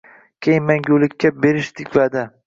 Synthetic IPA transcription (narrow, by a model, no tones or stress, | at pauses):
kʲʰejɪnmenɡʲolɪkʲːabeɾɪʃt̪ʰɪkʲvad̪a